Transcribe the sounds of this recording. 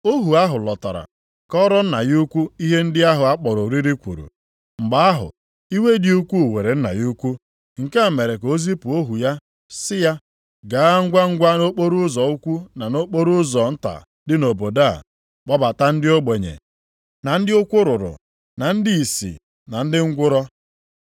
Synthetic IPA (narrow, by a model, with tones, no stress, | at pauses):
o˦ɦu˨a˦ɦʊ˨lɔ˨ta̰˨ɾa̰˨ | kɔ˦ɾɔ˦n̩˦na˨ju˦kʷu˦i˦ɦe˦n̩˦dɪ˦a˦ɦʊ˨a˦k͡pɔ˨ɾʊ˨ɾi˦ɾi˦kʷṵ˨ɾṵ˨ | ŋ͡m̩˨ɡ͡ba˨˦a˦ɦʊ̰˨ | i˦we˦dɪ˦u˦kʷu˦˨we˨ɾe˨n̩˦na̰˨ju˦kʷu˦ | ŋ̩˨ka˦a˨me˨ɾe˨ko˦zi˦pu˨o˦ɦu˨ja˦ | sɪ˦ja˦ | ɡa˨˦a˦ŋ̩˦ɡʷa˦ŋ̩˦ɡʷa˦no˦k͡po˦ɾu˦zɔ˨u˦kʷu˦na˨no˦k͡po˦ɾu˦zɔ˨n̩˦ta̰˨ | dɪ˦no˨bo˨da˦˨ | k͡pɔ˦ba˨ta˦n̩˦dɪ˦o˦ɡ͡be˨ɲḛ˨ | na˨n̩˦dɪ˦ʊ˦kʷʊ˦ɾʊ˨ɾʊ̰˨ | na˨n̩˦dɪ˦i˨sḭ˨ | na˨n̩˦dɪ˦ŋ̩˦ɡʷʊ˦ɾɔ˦